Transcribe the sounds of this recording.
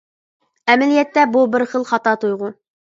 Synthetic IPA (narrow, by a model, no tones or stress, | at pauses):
ɛmɪlijɛt̪ːɛbubɪɾχəlˠχɑt̪ɑt̪ʰujʁʊ